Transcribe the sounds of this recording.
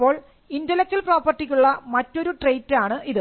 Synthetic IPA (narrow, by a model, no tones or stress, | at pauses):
pːo̞ːɭ | indɐlɐk̚t͡ɕːɐlproːpːɐrʈːikʲːuɭːɐmɐtːo̞ɾuʈrejtːaːɳɨʔiðɨ